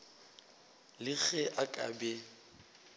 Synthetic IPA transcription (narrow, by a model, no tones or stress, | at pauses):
lɪɣɛʔakʼa̰bɛ